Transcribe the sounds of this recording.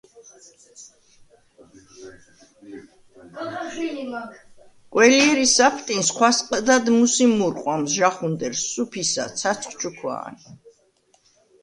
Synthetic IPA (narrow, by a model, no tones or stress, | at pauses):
qʼwɛliɛɾisapʰt̪ʼinsχwasqʼd̪ad̪musimuɾqʼwamzʒaχund̪ɛɾsːupʰisa̰t̪sʰat̪sʰχt͡ʃʰukʰwa̰ːn